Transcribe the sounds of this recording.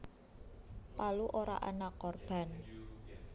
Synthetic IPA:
paluʔoɾa̰ʔanakːɔrb̥a̤n

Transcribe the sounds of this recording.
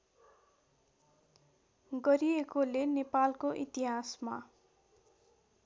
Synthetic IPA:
ɡʌɾiekolenepalkoʔit̪iɦasma̰

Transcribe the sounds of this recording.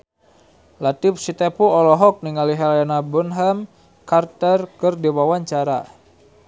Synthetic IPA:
lat̪ifsit̪epuɔlɔɦɔk̚niŋaliɦalanabunɦam | kart̪ərkɨrdiwawaɲt͡ʃaɾa̰

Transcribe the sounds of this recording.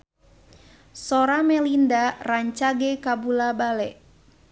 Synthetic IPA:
sɔɾamɛlindaraɲt͡ʃaɡɛkabulabalɛʔ

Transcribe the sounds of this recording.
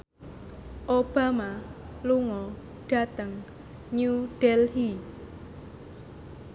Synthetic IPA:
ʔob̥a̤ma | luŋɔ | ɖ̥ä̤t̪əŋ | ɲuɖ̥ɛlhi

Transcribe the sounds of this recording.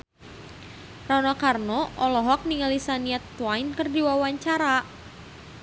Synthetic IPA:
raunakarnɔʔɔlɔɦɔk̚niŋalisaniat̪ːwajnkərdiwawaɲt͡ʃaɾa

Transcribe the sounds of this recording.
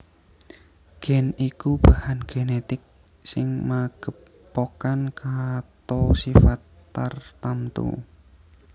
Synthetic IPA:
ɡ̥ɛnikub̥ahanɡ̥enet̪ɪk̚ | sɪŋmaɡ̥ə̤pː | okankat̪osifat̪ːart̪amt̪ṵ

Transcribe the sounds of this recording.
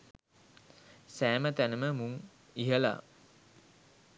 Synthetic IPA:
sæːmət̪ænəməmuŋ | iɦəla̰

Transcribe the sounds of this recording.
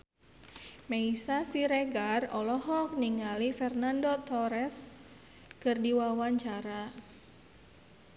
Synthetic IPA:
meisasiɾeɡarɔlɔɦɔk̚niŋalifɛrnandot̪ɔɾɛs | kɨrdiwawaɲt͡ʃaɾa

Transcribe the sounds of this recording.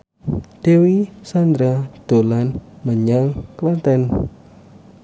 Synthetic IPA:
d̪̥e̤wisand̪ɾad̪̥o̤lanməɲaŋklat̪ɛn

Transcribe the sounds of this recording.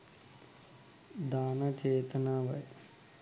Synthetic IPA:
d̪aːnɐt͡ʃeːt̪ɐnaːʋɐ̰j

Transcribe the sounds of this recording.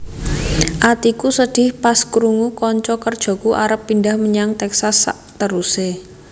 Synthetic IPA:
ʔat̪ikusəɖ̥ɪhpaskɾuŋukɔɲt͡ʃɔkərd̥ʒ̥o̤kuʔaɾəpːindahməɲaŋt̪ɛksasa̰ʔt̪əɾuse

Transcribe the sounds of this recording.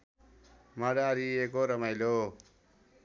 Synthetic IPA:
maɽaɾiekoɾʌmajlo

